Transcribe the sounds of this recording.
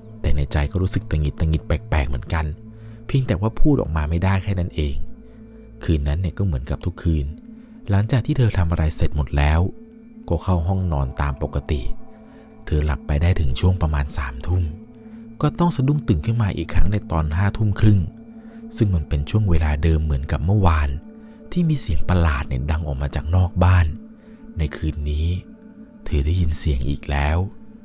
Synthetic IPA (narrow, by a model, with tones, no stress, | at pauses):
t̪ɛː˨˩na˧jt͡ɕa˧jkɔː˥˩ɾuː˦˥sɯ˨˩k̚t̪ɾa˧ŋi˨˩t̪ːa˧ŋi˨˩t̪̚pɛː˨˩k̚pɛː˨˩k̚mɯ˩˦ənka˧n | pʰi˧ŋt̪ɛː˨˩waː˥˩pʰuː˥˩t̪ʔɔ̰ː˨˩k̚maː˧ma˥˩jdaː˥˩jkʰɛː˥˩na˦˥nʔeː˧ŋ | kʰɯː˧nːa˦˥nːi˥˩əkɔː˥˩mɯ˩˦ənka˨˩p̚t̪ʰu˦˥kʰːɯː˧n | la˩˦ŋt͡ɕaː˨˩t̪ʰiː˥˩˧t̪ʰa˧mʔa˧ɾa˧jse˨˩t̪̚mo˨˩t̪̚lɛː˦˥w | kɔː˥˩kʰa˥˩wɦɔ˥˩ŋnɔː˧nt̪a̰ː˧mpo˨˩kːa˧t̪ḭ˨˩ʔ | t̪ʰɤː˧la̰˨˩pːa˧jdaː˥˩jt̪ʰɯ˩˦ŋt͡ɕʰu˥˩əŋpɾa˧maː˧nsaː˩˦mt̪ʰu˥˩m | kɔː˥˩t̪ɔ˥˩ŋsa˧du˥˩ŋt̪ɯː˨˩nkʰɯ˥˩nmaː˧ʔḭː˨˩kʰɾa˦˥ŋdaː˥˩jt̪ɔː˧nɦaː˥˩t̪ʰu˥˩mkʰɾɯ˥˩ŋ | sɯ˥˩ŋma˧npe˧nt͡ɕʰu˥˩əŋweː˧laː˧dɤː˧mːɯ˩˦ənka˨˩p̚mɯ˥˩əwaː˧n | t̪ʰiː˥˩miː˧si˨˩əŋpa˧laː˨˩t̪̚nɛ˨˩da˧ŋʔɔː˨˩k̚maː˧t͡ɕaː˨˩k̚nɔː˥˩k̚baː˥˩nː | a˧jkʰɯː˧nːiː˦˥ | t̪ʰɤː˧˦daː˥˩ji˧nsi˨˩˦əŋʔḭː˨˩k̚lɛː˦˥w